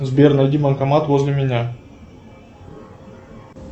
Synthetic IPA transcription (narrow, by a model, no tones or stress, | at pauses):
zbʲernɐjd̪ʲimənkɐmat̪vozʲlʲɪmʲɪnʲa